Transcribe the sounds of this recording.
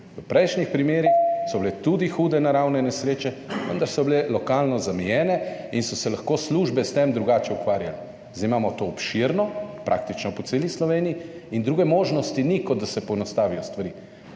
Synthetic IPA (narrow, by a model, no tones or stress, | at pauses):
ʋəpɾɛjʃnixpɾimeːɾixsɔblet̪ud̪ixuːd̪ɛnaɾawnɛnɛsɾeːt͡ʃɛʋə̰nd̪aɾsɔblelɔkaːlnɔzamijɛːnɛinsɔsɛlaxkoːsluːʒbɛst̪emd̪ɾuɡaːt͡ʃɛukʋaːɾja̰lɛ | zd̪aimaːmɔt̪oːpʃiɾnɔpɾa̰ːk̚t̪it͡ʃnɔpɔt̪seːlislɔʋeːnijiind̪ɾuːɡɛmoːʒnɔst̪inikɔd̪̚d̪asɛpɔɛnɔst̪aːʋijɔst̪ʋaɾi